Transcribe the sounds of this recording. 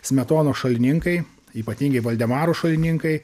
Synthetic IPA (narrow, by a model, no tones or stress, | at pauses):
sʲmʲɛt̪oːnoːʃɐlʲɪnʲɪŋkɐɪ | iːpɐt̪ʲiːŋʲɡʲɛɪʋɐlʲd̪ʲɛmɑːɾoːʃɐlʲɪnʲɪŋkɐɪ